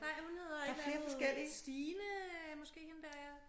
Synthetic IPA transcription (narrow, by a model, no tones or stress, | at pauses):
nɑ̈ɪ̰hunhe̝ð̰ˠɐeɡ̥fle̝ːɐfɒ̽sɡ̥el̰isd̥iːnəmɒ̽sɡ̥e̝̰ːhend̥æɐ̰ja